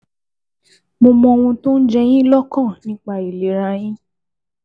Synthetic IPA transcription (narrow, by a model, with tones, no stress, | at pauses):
mo˧mɔ̃˧w̃ũ˧tũ˦n̩˦d͡ʒɛ˧j̃ĩ˦lɔ˦kɔ̃˦˨nĩ˨˦k͡pa˦˨i˨le˨˦ɾa˧j̃ĩ˦